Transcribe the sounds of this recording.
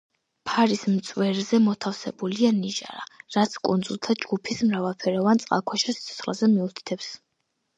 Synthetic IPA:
pʰaɾismt̪sʼwɛɾzɛmɔt̪ʰafsɛ̰bulianiʒa̰ɾaɾat̪sʰkʼṵnd̪zulˠt̪ʰad͡ʒɡupʰismɾavalˠpʰɛɾɔvant̪sʼqʼa̰kʰwɛʃɛsi̥t̪sʰɔ̥t̪sχlazɛmiut̪ʰi̥t̪ʰɛps

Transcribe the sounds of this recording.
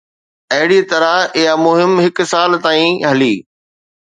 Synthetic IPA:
ɐɦɪɽit̪ɐɾaɪjamʊɦɪmɦɪksaːlt̪aːĩɦɐliː

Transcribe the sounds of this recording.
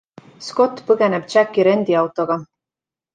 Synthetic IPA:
sko̞t̪ːˑpɤɡ̥e̞neb̥̪̚t͡ʃækːiɾe̞nd̪̥iɑwt̪o̞ɡ̥ɑ

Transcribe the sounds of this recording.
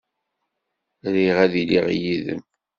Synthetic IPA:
ɾiʁæðiliʁjiðə̰m

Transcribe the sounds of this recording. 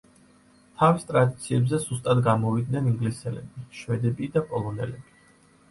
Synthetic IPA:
t̪ʰavist̪ʼɾad̪it̪sʰiɛbzɛzust̪ʼad̪ɡamɔvid̪̚nɛniŋɡlisɛlɛ̰biʃwɛd̪ɛbid̪apʼɔlˠɔnɛlɛbi

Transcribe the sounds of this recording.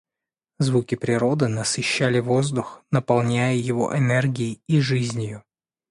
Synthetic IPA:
zvukʲɪpɾʲɪɾo̞d̪ɨnəsɪɕːælʲɪvo̞zd̪ʊxnəpɐlˠnʲæjəjɪvo̞̰ʔɛnɛrɡʲɪɪiʐɨzʲnʲɪjʊ

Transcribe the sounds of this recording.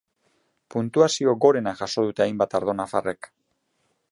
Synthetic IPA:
punt̪uasio̞ɡo̞ɾe̞naʝaso̞ð̞ut̪eajmbat̪aɾð̞o̞nafa̰re̞k

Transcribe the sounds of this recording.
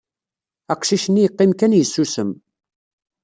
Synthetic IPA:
æqʃiʃənːijəqːɪmkænjəsːusəm

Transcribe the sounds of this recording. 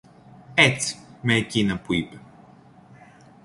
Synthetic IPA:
ɛt͡smeːcʲinɐpuipe

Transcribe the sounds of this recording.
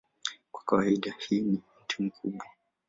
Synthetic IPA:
kwḁkawaiɗahiːnim̩tum̩kuɓwa

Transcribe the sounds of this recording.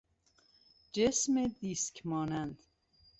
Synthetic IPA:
d͡ʒesmed̪iːskʰmɒːnænd̪̥

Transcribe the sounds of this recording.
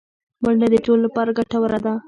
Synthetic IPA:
maɳɖad̪əʈolːapɑɾaɡaʈawaɾad̪a

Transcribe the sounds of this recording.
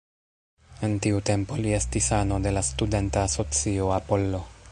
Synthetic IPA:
e̞ntiute̞mpo̞lie̞stisano̞de̞lastude̞ntaːso̞t͡sioapo̞lːo̞

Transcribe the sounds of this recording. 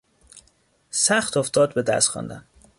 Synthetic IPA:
sæxt̪oft̪ɒːd̪̚bed̪æ̰st̪xɒ̰ːnd̪æ̰n

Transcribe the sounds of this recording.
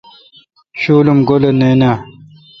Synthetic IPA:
ɕuːlumɡoleneːna

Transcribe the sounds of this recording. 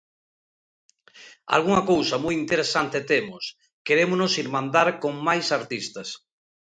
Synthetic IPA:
a̰lɣuŋakowsɐmujint̪eɾesant̪et̪emʊs | keɾemonosiɾmãnd̪aɾkoŋmajsaɾt̪ist̪ɐs

